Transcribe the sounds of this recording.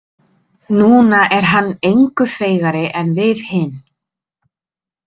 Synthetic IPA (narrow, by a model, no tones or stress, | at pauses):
nuːnaʔɛɾ̥ɦanːejŋkʏfeːjɣaɾɪʔɛnvɪðhɪn